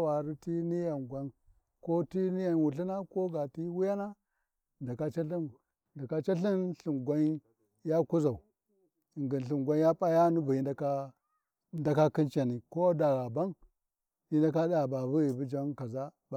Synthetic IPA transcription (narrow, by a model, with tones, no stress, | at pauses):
wa˨ɾi˦ti˦ni˦ja˨nɡwa˦n | ko˦ti˦ni˦ja˨nwu˨ɬi˦na˦ko˦ɡa˨ti˦wu˦ja˦na˦ | nda˨ka˦t͡ʃa˦ɬi˦n | nda˨ka˦t͡ʃa˦ɬi˦nɬi˨nɡʷa˦n | ja˦ku˦za˨u˨ | i˨ŋɡi˨n˨ɬi˨mɡʷa˦nja˦pʼa˦ja˦nu˦bu˨i˦nda˦a˦ | nda˨ka˦ki˦nt͡ʃa˨ni˨ko˦da˨ɣa˨ba˦n | i˦nda˦ka˦da˨ba˨bu˦ɣi˨bu˦d͡ʒa˦nka˨za˦ | b